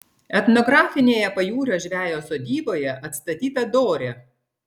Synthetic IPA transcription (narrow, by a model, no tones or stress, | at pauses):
ɛt̪nɔɡɾɑːfʲɪnʲeːjɛpɐjuːɾʲoːʒʲʋʲæːjoːsoːd̪ʲiːboːjɛʔɐt̪st̪ɐt̪ʲiːt̪ɐd̪oːɾʲe